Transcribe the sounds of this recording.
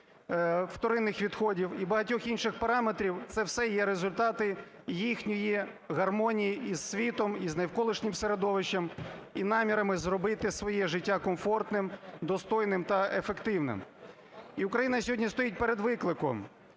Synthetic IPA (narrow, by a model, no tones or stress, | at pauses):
wt̪ɔɾɪnːɪxʋʲid̪xɔdʲiwibɐɦɐtʲɔxinʃɪxpɐɾɑme̞t̪ɾʲiwt̪sɛwsɛjɛɾezʊlʲt̪ɑt̪ɪ | jixnʲɔji | ɣɐrmɔnʲijiiz̥sʲʋʲit̪ɔmiznɐjwkɔlˠɪʃnʲɪmseɾe̞d̪ɔʋɪʃɐmin̪ɑmʲiɾɐmɪzɾɔbɪt̪ɪsʋɔjɛʒɪtʲːakɔmfɔrt̪nɪmd̪ɔst̪ɔjnɪmt̪ɐefekt̪ɪwnɪ̰m | iʊkɾɐjinɐsʲɔɦɔdʲnʲist̪ɔjit̚ʲpeɾed̪ʋɪklˠɪkɔ̰m